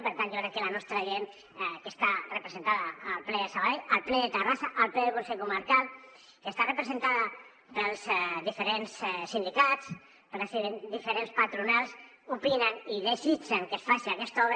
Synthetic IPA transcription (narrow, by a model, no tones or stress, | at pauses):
peɾt̪anʒokɾɛkːəlanɔst̪ɾaʒen | kest̪arepɾəzent̪aðaːlˠplɛðesəβaðeʎalˠplɛðet̪ərasaʔːlplɛðelkunsɛʎkuməɾkal | kest̪arəpɾəzent̪aðə | pəlˠzðifeɾenssind̪ikat͡s | pɾesiðend̪ifeɾenspat̪ɾunalˠs | upinəniðezit͡ʃəŋkesfaʃiakɛst̪ɔβɾ